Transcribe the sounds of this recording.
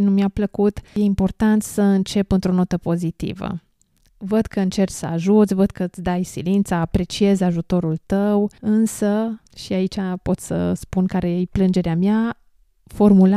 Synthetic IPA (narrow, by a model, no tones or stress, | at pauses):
numiapləkut̪je̞impo̞rt̪ant̪səɨnt͡ʃe̞pɨnt̪ɾo̞not̪əpo̞zit̪ḭvə̰ | vəd̪kəɨnt͡ʃe̞rt͡ʃsəaʒut̪sʲvəd̪̚kət̪sd̪ajsilint̪saːpɾe̞t͡ʃie̞zaʒut̪o̞ɾult̪əwɨnsə | ʃiait͡ʃapo̞t̪ssə̰spunkaɾejeplɨnd͡ʒe̞ɾeamja | fo̞rmula